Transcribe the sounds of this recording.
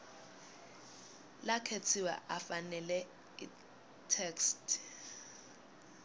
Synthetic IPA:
lakʰet͡sʰiwɛ̰ʔafanɛlɛ | i | tʰekstʰ

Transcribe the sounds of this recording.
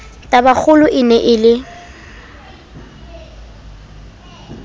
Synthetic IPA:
tʼabak͡xʰʊlʊʔɪnɛʔɪlɪ

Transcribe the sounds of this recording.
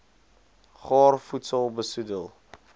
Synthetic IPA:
χɑːrfutsəlˠbəsudəlˠ

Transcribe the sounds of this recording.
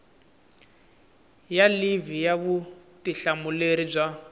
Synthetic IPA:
jalivijaβutiɬamuleɾib͡ʐʷa

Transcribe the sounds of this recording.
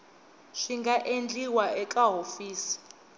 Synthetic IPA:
ʂiŋɡaʔend͡ɮiwaɛkʼaɦofiːsi̥

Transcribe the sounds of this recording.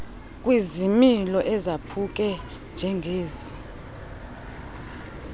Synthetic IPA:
kʼwizimilɔʔɛzapʰuk̬ʼɛ | nd͡ʒʱɛŋɡʱeːzi

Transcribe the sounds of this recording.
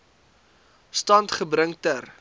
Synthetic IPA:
stɐntχəbrəŋtər

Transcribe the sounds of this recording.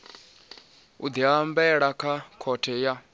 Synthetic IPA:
ud̪iɦambɛɺakʰakʰɔtʰɛja

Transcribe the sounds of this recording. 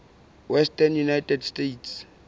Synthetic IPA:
wɛstʼɛnjunajtɛdstetʰs

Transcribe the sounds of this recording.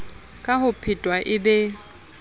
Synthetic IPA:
kʼahʊpʰɪtʼwaʔɪbɛ

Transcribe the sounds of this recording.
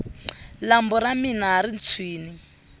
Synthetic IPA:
lambɔɾaminaɦaɾint͡sʰwiːni

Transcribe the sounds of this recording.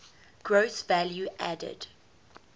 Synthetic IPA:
ɡ̥ɹoʊsvæljuʔædə̰d̥

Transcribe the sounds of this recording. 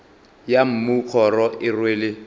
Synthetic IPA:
jam̩muk͡xʰɔɾɔɪrweːlɪ

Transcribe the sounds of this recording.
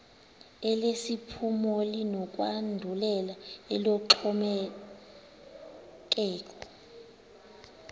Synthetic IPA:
ɛlesipʰumɔlinɔkʼwandʱulɛlaɛlɔǁʰɔmɛ | k̬ʼɛːk̬ʼɔ̥

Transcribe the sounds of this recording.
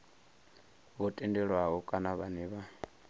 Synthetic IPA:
βɔtʼɛndɛɺwaɦɔkʼanaβaniβa

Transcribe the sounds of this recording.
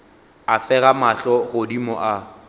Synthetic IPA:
afɛɣamaɬɔɣʊdimɔʔa

